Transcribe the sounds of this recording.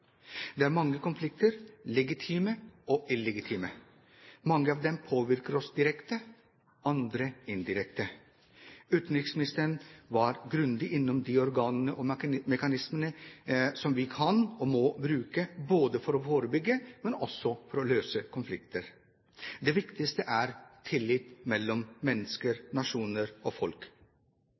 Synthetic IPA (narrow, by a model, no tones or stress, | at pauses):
d̪ɛæɾmɑŋːəkʊnflɪk̚t̪əɾlɛɡɪt̪ʰiːməɔʔɪlːɛɡɪt̪ʰiːmə | mɑŋːəɑːʋd̪ɛmpʰoːʋɪɾkəɾɔsd̪ɪɾɛkt̪ə | ɑnd̪ɾəɪnd̪ɪɾɛkt̪ə | ʉːt̪n̩ɾɪksmɪnɪst̪əɾnʋɑɾɡɾʉnd̪ɪʔɪnːɔmd̪ɪɔɾɡɑːnənəʔɔmɛkɑnɪsmənəsɔmʋɪkʰɑnɔmɔbɾʉːkəboːd̪əfɔɾɔfoːɾəbʏɡːəmɛnɔsːɔfɔɾɔløːsəkʰʊnflɪk̚t̪əɾ | d̪ɛʋɪkt̪ɪst̪əʔæɾt̪ʰɪlːɪt̪mɛlːɔmːɛnːəskəɾnɑʂuːnəɾɔfɔlk